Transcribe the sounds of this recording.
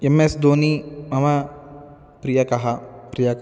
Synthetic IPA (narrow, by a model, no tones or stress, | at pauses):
emesd̪oːnimɐmɐ | pɾijɐkɐɦɐpɾijɐk